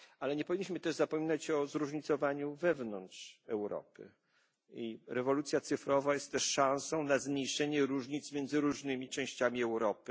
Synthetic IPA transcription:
alɛɲɛpɔvʲiɲːiɕmɘt̪ɛʐzapɔmʲinat͡ɕɔzɾuʐɲit̪sɔvaɲuvɛvnɔntʂɛwɾɔ̰pɘ̰ | iɾɛvɔlut̪sʲjat̪sɘfɾɔvajɛst̪ːɛʂːãw̃sɔ̃w̃nazmɲejʂɛɲɛɾuʐɲit̪smʲjɛnd̪zɘɾuʐnɘmʲit͡ʂɛ̃w̃ɕt͡ɕamʲiɛwɾɔpɘ

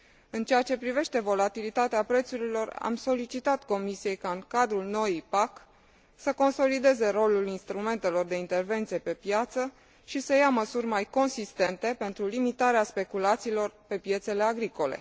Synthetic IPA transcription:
ɨnt͡ʃeat͡ʃe̞pɾive̞ʃt̪e̞vo̞lat̪ilit̪at̪eapɾe̞t̪suɾilo̞ra̰mso̞lit͡ʃit̪at̪ko̞misije̞jkaɨŋkad̪ɾulno̞jipak | səko̞nso̞lid̪e̞ze̞ro̞lulinst̪ɾume̞nt̪e̞lo̞rd̪e̞int̪e̞rve̞nt̪sije̞pe̞pjat̪sə | ʃisəjaməsurʲmajko̞nsist̪e̞nt̪e̞pe̞nt̪ɾulimit̪aɾeaspe̞kulat̪siːlo̞rpe̞pje̞t̪se̞le̞aɡɾiko̞le̞̰

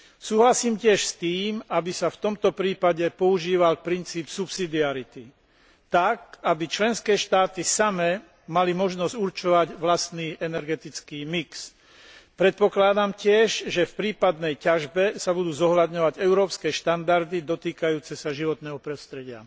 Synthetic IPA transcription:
suːɦlasiːmcɪɛʃst̪iːmabisaft̪ɔmt̪ɔpɾiːpaɟɛpɔuʒiːʋalpɾint͡siːpsupsid̪iaɾit̪i | t̪ak̚abit͡ʃlɛnskɛːʃt̪aːt̪isamɛ | malimɔʒnɔz̥uɾt͡ʃɔʋaɟʋlast̪niːʔɛnɛɾɡɛt̪it͡skiːmiks | pɾɛt̪̚pɔklad̪amcɪɛʒʒɛfpɾiːpad̪nɛjcaʒbɛsabud̪uːzɔɦlad̪ɲɔʋaɟɛʊɾɔːpskɛːʃt̪and̪aɾd̪id̪ɔt̪iːkajuːt͡sɛsaʒiʋɔt̪nɛːɦɔpɾɔst̪ɾɛɟɪa̰

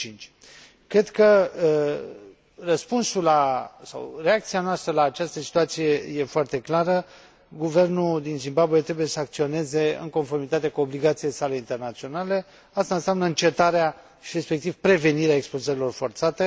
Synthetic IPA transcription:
t͡ʃint͡ʃʲ | kɾe̞d̪kə | rəspunsulasa̰wre̞ak̚t̪sianoast̪ɾəlaːt͡ʃast̪əsi̥t̪uat̪sije̞je̞foart̪e̞klaɾə | ɡuve̞rnud̪inzimbabuet̪ɾe̞buje̞səak̚t̪sio̞ne̞ze̞ɨ̰ŋko̞nfo̞rmit̪at̪e̞kuo̞bliɡat̪sijesaleint̪e̞rnat̪sio̞nale̞ | ast̪anseamnəɨnt͡ʃet̪aɾea | ʃiɾe̞spe̞k̚t̪ivpɾe̞ve̞niɾeaekspozəɾilo̞rfo̞rt̪sat̪e̞

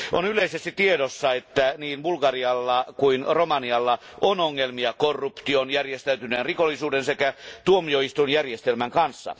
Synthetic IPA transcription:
ʔo̰nyleisest̪it̪iedosːɑet̪ːæniːnbulkɑriɑlːɑkuinromɑniɑlːɑ | ʔonoŋːelmiɑkorːupt̪ionjærjest̪æyt̪yneːnrikolːisuːdensekæt̪uomioist̪unjærjest̪elmæŋkɑnsːɑ̰

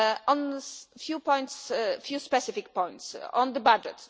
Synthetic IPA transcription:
ɔ̃nfjupɔ̃j̃ntsfjuspɛsɪfik̚pɔ̃j̃nt̪sɔ̰̃nd̪əbad͡ʒɛ̰t

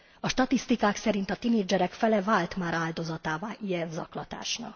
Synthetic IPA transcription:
ɒʃt̪ɒt̪ist̪ikaːksɛɾint̪ɒt̪ineːd͡ʒɛɾɛkfɛlɛvaːlt̪maːɾaːld̪o̞zɒt̪aːvaːʔijɛnzɒklɒt̪a̰ːʃnɒ̰k

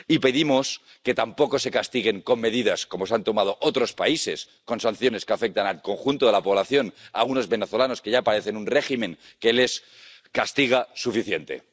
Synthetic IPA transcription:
ipe̞ðimo̞s | ke̞t̪ampo̞ko̞se̞kast̪iɣ̞e̞ŋko̞nme̞ðiðasko̞mo̞sant̪o̞mað̞o̞ʔot̪ɾo̞spaise̞s | ko̞nsan̟θjone̞skeafe̞k̚t̪analko̞ŋxunt̪oðe̞lapo̞βlaθjo̞na̰ɣuno̞zβe̞ne̞θo̞lano̞skeʝapaɾe̞θe̞nunre̞ximẽ̞ŋ | ke̞le̞s | kast̪iɣ̞asufiθje̞nt̪e̞̰

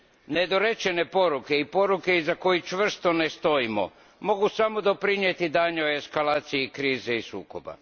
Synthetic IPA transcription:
ne̞d̪o̞ɾe̞t͡ʃe̞ne̞po̞ɾuke̞ipo̞ɾuke̞izako̞jit͡ʃʋr̩st̪o̞ne̞st̪o̞imo̞̰ | mo̞ɡusamo̞d̪o̞pɾinjet̪id̪aːɲeoe̞skalaːt̪sijikɾiːzeisuːko̞ba̰

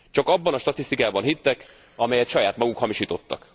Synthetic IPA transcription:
t͡ʃɒkɒbːɒnɒʃt̪ɒt̪ist̪ikaːbɒnɦit̪ːɛk | ɒmɛjɛt̪ʃɒjaːt̪mɒɡukhɒmiʃiːt̪o̞t̪ːɒ̰k

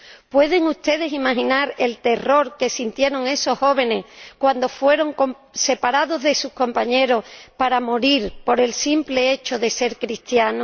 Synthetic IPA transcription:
pwe̞ð̞e̞ŋuht̪e̞ð̞e̞simaɦĩnaɾe̞lt̪e̞ro̞ɾke̞sint̪je̞ɾo̞ŋe̞so̞hho̞β̞e̞ne̞kwand̪o̞fwe̞ɾo̞ŋkom | se̞paɾaðo̞zðe̞suhko̞mpaɲe̞ɾo̞hpaɾamoɾiɾpo̞ɾe̞lsimple̞e̞t͡ʃo̞ðe̞se̞ɾkɾist̪jano

